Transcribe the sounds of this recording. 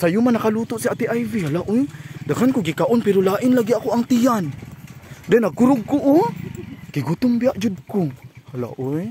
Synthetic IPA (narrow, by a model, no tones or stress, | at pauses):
sajumanakalut̪ʊʔsiat̪iʔajvihalaʔojd̪akankʊɡikaʔonpɛɾolaːʔɪnlaɡiakoaŋt̪ijan | d̪ɛnaɡ̚kuɾʊɡ̚kuʔː | ɡ̥iɡut̪ʊmbiaʔd͡ʒud̪̚kʊhala̰ʔoj